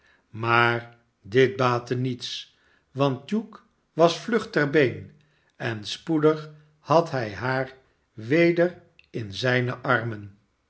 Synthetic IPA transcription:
maːɹ | dɪt̚baːtənits | ʋɑnt̚juk | ʋɑsflɵχtɛɹbejn | ɛnspudəχ | hɑtɦɛjɦaːɹ | ʋejdər | ɪnzɛjnəʔɑrmən

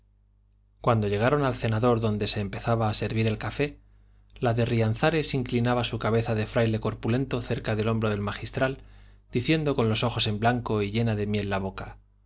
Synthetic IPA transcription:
kwand̪o̞ʝe̞ɣ̞aɾo̞nalθe̞naðo̞ɾðo̞nd̪e̞se̞ːmpe̞θaβaːse̞ɾβiɾe̞lkafe̞ | laðe̞rian̟θaɾe̞siŋklinaβasukaβ̞e̞θaðe̞fɾajle̞ko̞ɾpule̞nt̪o̞θe̞ɾkaðe̞lo̞mbɾoð̞e̞lmaχist̪ɾald̪iθje̞nd̪o̞ko̞nlo̞so̞xo̞se̞mblaŋko̞iʎe̞naðe̞mje̞lːaβo̞ka

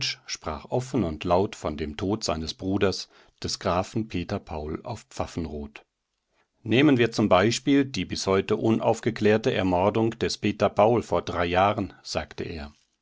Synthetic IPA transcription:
ʃʃpʁ̥a̰ːχʔɔfn̩ʊntlaʊtfɔndeːmtʰoːtz̥a̰ɪnəsb̥ʁuːdɐs | d̥ɛsɡ̥ʁaːfn̩pʰeːtɐpʰaʊla̰ʊfpp͡fafn̩ʁoːt | neːmənviːɐt͡sʊmbaɪʃpiːldiːbɪshɔʏtəʔʊnʔa̰ʊfɡ̥əkl̥ɛːɐtəɛɐmɔɐdʊŋd̥ɛspeːtɐpʰaʊlfoːɐdʁaɪjaːʁənz̥aːktəʔḛːɐ

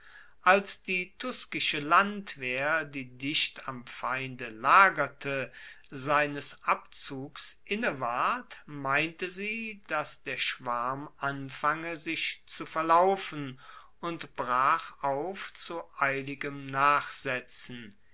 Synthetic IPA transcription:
ʔalsd̥iːtʰʊskɪʃəlantv̥eːɐdiːdɪʃtamfaɪndəlaːɡɐtʰə | zaɪnəsʔapt͡suːksʔɪnəvaɐtmaɪntəziːd̥asd̥eːɐʃv̥aɐmʔanfaŋəzɪʃt͡sufɛɐlaʊfn̩ | ʊntb̥ʁaːχaʊft͡suʔaɪlɪɡəmnaːχz̥ɛt͡sn̩

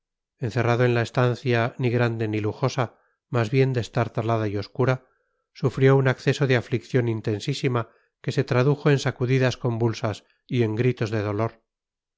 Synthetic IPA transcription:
e̞n̟θe̞raðoe̞nlae̞st̪an̟θjaniɣɾand̪e̞niluxo̞sa | mazβje̞nd̪e̞st̪aɾt̪alað̞aio̞skuɾa | sufɾjo̞unakθe̞so̞ðeaflikθjo̞nint̪e̞nsisima | ke̞se̞t̪ɾaðuxo̞e̞nsakuðiðasko̞mbulsas | ie̞ŋɡɾit̪o̞zðe̞ð̞o̞lo̞ɾ

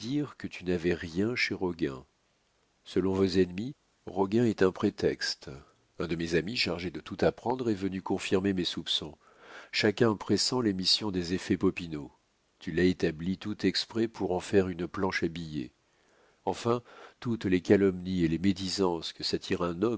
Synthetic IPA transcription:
d̪iʁkət̪ʰynavɛʁjɛ̃ʃeʁɔɡʲɛ̃ | səlɔ̃vozɛnmi | ʁɔɡʲɛ̃ɛt̪ɛ̃pχet̪ɛkst̪ | ɛ̃d̪əmezamiʃaʁʒed̪ət̪ut̪apχɑ̃d̪ʁɛvənykɔ̃fiʁmemesupsɔ̃ | ʃakʲɛ̃pχesɑ̃lemisjɔ̃d̪ezefɛpɔpino | t̪ylaet̪ablit̪ut̪ɛkspχɛpʰuʁɑ̃fɛʁynplɑ̃ʃabijḛ | ɑ̃fɛ̃t̪ut̪lekalɔmnielemed̪izɑ̃skəsat̪ʰiʁɛ̃nɔm

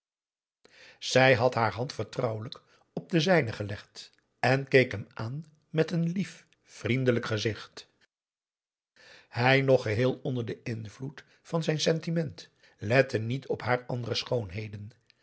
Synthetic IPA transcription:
z̥ɛjɦɑtɦaːɹɦɑntfəɹtrʌwələk | ɔb̚dəzɛjnəχəlɛχt | ɛnkejkɦɛmaːn | mɛtənlif | frindələkχəzɪχt | hɛjnɔχəɦɪːlˠɔndəɹdəʔɪnvlut | fɑnzɛjnsɛntimɛnt | lɛtənitʰɔpɦaːɹɑ̰ndərəsχownɦejdən

